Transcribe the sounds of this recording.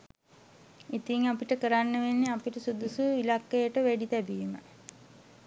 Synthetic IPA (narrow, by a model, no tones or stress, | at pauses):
it̪iŋapiʈəkəɾanːəʋenːiapiʈəsud̪usuilakːəjəʈəʋæɖit̪æbiːmə̰